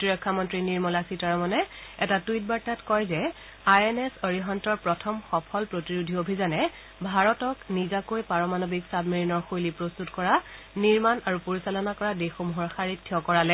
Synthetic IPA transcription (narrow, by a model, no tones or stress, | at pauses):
otiɹɔkʰːamɔntɹiniɹmɔlasitaɹɔmɔnɛɛtatuit̚baɹtatkɔjzɛ | ajɛnɛsoɹiɦɔntɔɹpɹɔtʰɔmxɔpʰɔlpɹotiɹudʱiobʱizanɛ | bʱaɹɔtɔknizakojpaɹɔmanobiksabmiɹinɔɹxojlipɹostutkɔɹa | niɹmanaɹupoɹisalɔnakɔɹadexomuɦɔɹxaɹitʰːiɔkɔɹalɛ